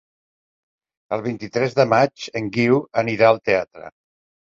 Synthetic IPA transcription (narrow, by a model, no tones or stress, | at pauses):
əlˠβ̞int̪it̪ɾɛzðəmad͡ʒəŋɡiwəniɾaəlˠt̪eat̪ɾə̰